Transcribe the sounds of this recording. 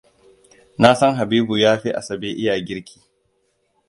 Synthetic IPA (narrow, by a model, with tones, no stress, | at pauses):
na˦sɐ˦ŋɦa˨biː˦bu˨jaː˦ɸi˦ʔa̰˨sɐ˨beː˦ʔɪ˦jaː˨ɡʲɪ˦ɾkʲʰi̥ː˦